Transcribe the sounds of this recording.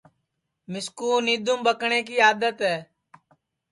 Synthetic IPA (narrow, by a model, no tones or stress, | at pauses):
mɪskuːniːd̪ʊmbəkɳeːk̬iːaːd̪ət̪ɦɛː